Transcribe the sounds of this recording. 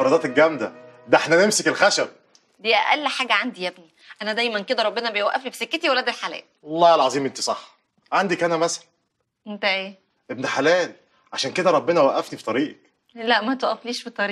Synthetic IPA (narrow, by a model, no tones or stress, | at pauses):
ɑɾˤɑd̪ɑːt̪elɡæmd̪æd̪æeħnænemsekelxæʃæb̚ | d̪iːʔæ̰ʔælːħaːɡæʕand̪ijæbni | ʔænæd̪æjmænked̪æɾˤɑbːenɑbejwæʔːæflifi̥sekːet̪iwælːæd̪elħalæ̰ːlɑlˤːɑːelʕɑzˤiːmʔent̪i̥sˤɑħː | ʕand̪ikʔænæmæsæ̥læn | ʔent̪æʔeː | ʔebniħalæːl | ʕaʃæːnked̪æɾˤɑbːenɑwæʔːæfnifi̥t̪ˤɑɾiːʔek | læʔmæt̪wæʔæfliːʃfit̪ˤɑɾiːʔ